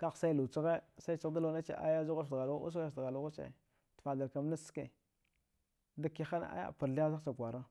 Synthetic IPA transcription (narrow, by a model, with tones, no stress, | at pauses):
ka˦xsa˦i˦lu˨t͡ʃi˦ɣe˦sa˦t͡ʃi˦ɣda˦lo˨˦na˦t͡ʃḛ˨˦ʔa̰˦ja˦zu˦ɣa˦˨dɣa˨lṵ˦s̬a˦˨sdɣa˨lu˦ɣa˦t͡ʃḛ˨ | tfa˨da˨ɾka˨m˦na˦ske˨ | da˦ki˦xa˦n˦a̰˦ja̰˦˨pa˨ɾɬi˦a˦za˦t͡ʃa˨kʷa˨ɾa˦